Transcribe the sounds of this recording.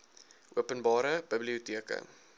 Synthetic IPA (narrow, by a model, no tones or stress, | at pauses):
ʔuəpənbɑːɾəbəbliutiəkə̰